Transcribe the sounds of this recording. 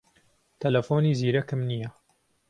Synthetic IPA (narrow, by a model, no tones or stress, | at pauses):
t̪ʰɐlɐfoːniːziːɾɐkɨmnijɐ